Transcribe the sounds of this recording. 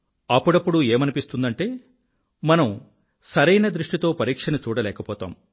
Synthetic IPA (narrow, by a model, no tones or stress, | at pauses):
ɐpːuɽɐpːuɽueːmɐnipist̪und̪ɐɳʈe̞ː | mɐnɐm | sɐɾɐjnɐd̪ɾuʂʈit̪o̞ːpɐɾiːkʂɐnut͡ʃuːɽɐlɛːkɐpɔːt̪a̰ːm